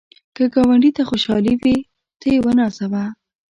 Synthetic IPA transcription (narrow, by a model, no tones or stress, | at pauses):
kəɡɑwaɳɖit̪axoʃɑliwi | t̪əjewənɑsawa